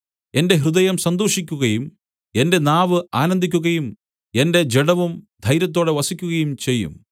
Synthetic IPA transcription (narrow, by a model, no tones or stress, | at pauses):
e̞nde̞ɦrɨðɐjɐmsɐnd̪oːʂikʲːuɣɐjum | e̞nde̞naːʋɨaːnɐnd̪ʱikʲːuɣɐjum | e̞nde̞d͡ʑeɽɐʋumd̪ʱɐjɾjɐt̪̬ːo̞ːɽeʋɐsikʲːuɣɐjumt͡ɕe̞jːṵm